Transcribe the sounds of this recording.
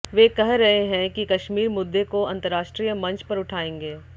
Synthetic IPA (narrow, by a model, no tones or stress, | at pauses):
ʋeːkɐɦɾɐɦeɦɛ̃kikɐʃmiːɾmʊd̪ːekoɐ̃nt̪əɾːaːʃʈɾijəmɐ̃nt͡ʃpɐɾʊʈʰaːẽːŋɡeː